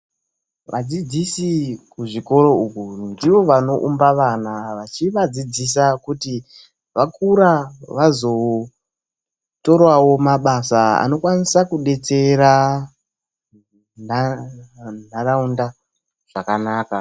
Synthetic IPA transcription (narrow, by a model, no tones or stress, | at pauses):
ʋʔa̰d͡zid͡zisikuʐiko̞ɾo̞ukundiʋo̞ʋano̞ʔumbaʋanaʋat͡ʃiʋad͡zid͡zis̬akuti | ʋakuɾaʋazo̞ | to̞rwawo̞maɓasaa̰no̞kwanisakuɗe̞t͡se̞ɾa | na | n̤araunda | ʐ̥akanaːka